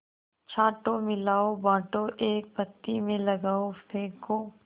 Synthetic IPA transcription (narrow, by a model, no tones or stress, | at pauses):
t͡ʃʰaːʈomɪlaːobãːʈoʔeːk̚pət̪ːimẽlɐɡaːofẽːko